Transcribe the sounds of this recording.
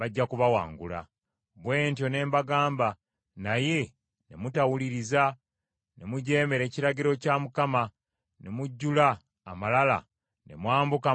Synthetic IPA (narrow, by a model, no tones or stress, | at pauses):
βaɟːakuβawa̰ːŋɡula̰ | βwe̞ːntjo̞ne̞ːmbaɡaːmba | naje̞ | ne̞mutawuliɾiza | ne̞muɟe̞ːmeɾe̞ːciɾaɟiɾo̞caːmukama | nemuɟːulaː | malala̰ | ne̞̰mwaːmbuka